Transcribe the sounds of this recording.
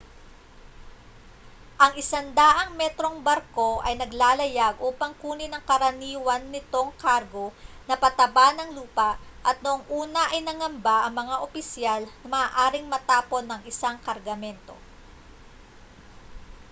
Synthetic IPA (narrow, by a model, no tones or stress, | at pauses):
ʔɐŋɪsand̪aːʔɐŋmɛt̪ɾo̞ŋbɐɾko̞ʔɐjnɐɡlaːlɐjaɡ̚ʔoːpɐŋkuːnɪnɐŋkɐɾɐniːwɐnːɪt̪o̞ŋkaɾɡo̞nɐpɐt̪ɐbanɐŋluːpɐʔʔɐt̪̚noʔoŋʔuːnɐʔɐjnɐŋɐmbaʔɐŋmɐŋaʔopɪsjalnɐmɐaːʔaːɾɪŋmɐt̪aːpo̞nːɐŋɪsaŋkɐɾɡɐmɛnt̪o̞̰